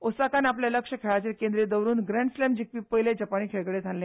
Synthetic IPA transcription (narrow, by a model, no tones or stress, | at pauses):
osakanapleləkʂəkʰeɭat͡ɕilkẽnd̪ɾed̪əwɾuːnɡɾẽɳɖslemd͡ʑik̚ʋiːpəjled͡ʑəpaniːkʰeɭɡɭet̪ʰalːẽ